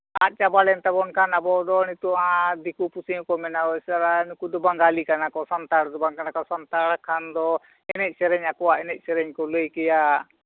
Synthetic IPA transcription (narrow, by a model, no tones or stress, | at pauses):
a̰t̪̚t͡ʃabalɛnt̪abɔnkʰanabɔd̪ɔnit̪uʔãd̪ikupusiũkɔmɛnaɔsaɾanikud̪ɔbaŋɡalikanakɔsant̪aɽd̪ɔbaŋkanakɔsant̪aɽkʰand̪ɔ | ɛnɛc̚ˀsɛɾɛɲakɔwaʔɛnɛc̚ˀsɛɾɛɲkɔləjkɛja